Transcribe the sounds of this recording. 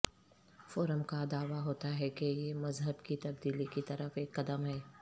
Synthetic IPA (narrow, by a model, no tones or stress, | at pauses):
foːɾəmkad̪aːʋaɦoːt̪aɦɛkejemɐzɦəbkit̪ɐb̚d̪iːlikit̪ɐɾəfeːkːɐd̪əmɦɛː